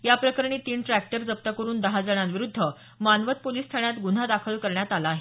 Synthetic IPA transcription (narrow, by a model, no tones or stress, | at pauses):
japɾəkəɾɳ̃iːt̪iːɳʈɾæk̚ʈəɾd͡zəp̚t̪əkəɾuːnd̪əɦad͡zəɽ̃ãnʋiɾud̪ʱːə | manʋət̪̚poliːst̪ʰaɳjat̪ɡun̤ad̪akʰəlkəɾɳjat̪alaːɦe